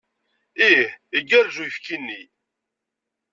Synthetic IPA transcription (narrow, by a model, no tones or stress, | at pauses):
ihiɡːəɾʒujəfkinːi